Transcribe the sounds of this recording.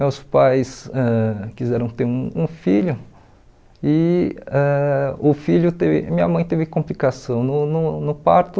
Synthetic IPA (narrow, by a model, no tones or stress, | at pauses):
mewspajsɛkizɛɾɐ̃w̃t̪eɾũũfiʎʊ | ɪɛʊfiʎʊt̪evɪ̰mĩɲɐmɐ̃j̃t̪evɪkõplikasɐ̃w̃nʊnʊnʊpaɾt̪ʊ